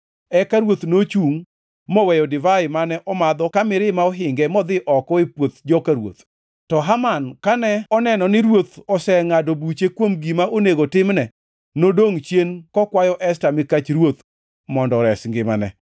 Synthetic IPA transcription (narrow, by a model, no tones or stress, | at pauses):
ɛkaɾwot̪not͡ʃuŋ | mɔwɛjɔdɪvaɪmanɛʔɔmad̪ɔkamɪɾɪmaɔɦɪŋɡɛmɔd̪ɪʔɔkɔɪpwot̪d͡ʒɔkaɾwo̰t̪ | tɔɦamankanɛɔnɛnɔnɪɾwot̪ɔsɛŋadobut͡ʃekwomɡimaoneɡotɪmnɛ | nodoŋt͡ʃjenkɔkwajɔʔɛstamɪkat͡ʃɾwot̪ | mɔndɔɾɛsŋɡɪmanɛ̰